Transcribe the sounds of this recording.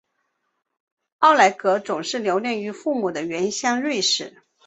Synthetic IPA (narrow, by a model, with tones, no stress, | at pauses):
ɑ˥˩ʊla˧˥ɪkɤ˧˥t͡sʊ˨˩ŋʂɻ̩˥˩ljo˧˥ʊljɛ˥˩ŋy˧˥fu˥˩mu˨˩d̪ə˦ɥɛ˧˥nɕjɑ˥˧ŋlwe˥˩ɪʂɻ̩˨˩˦